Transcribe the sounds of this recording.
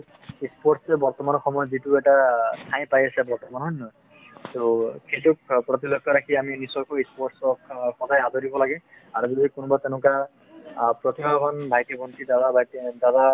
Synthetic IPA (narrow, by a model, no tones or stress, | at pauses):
ispɔɹʈsɛbɔɹt̪ɔmanɔxɔmɔjɔzituɛʈatʰãj̃pajasɛbɔɹt̪ɔmanɦɔjnɔ | t̪okejtukpɹɔt̪̬ilɔkʰːɔɾakʰiaminisɔkɔispɔʈsɔkxɔdajazɔɾibɔlaɡɛ | aɹubibikunubat̪enʊ̃ka | pɹɔt̪ibʱakʰɔnbʱajt̪ibɔntid̪ad̪abajtd̪ad̪a